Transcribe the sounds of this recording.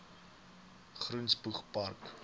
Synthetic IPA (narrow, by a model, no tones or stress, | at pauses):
χrunsbuχpark